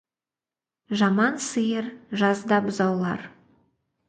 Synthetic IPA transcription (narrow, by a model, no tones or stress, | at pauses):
ʒɑmɑnsəjəɾʒɑzd̪ɑbʊzɑwlˠɑ̰ɾ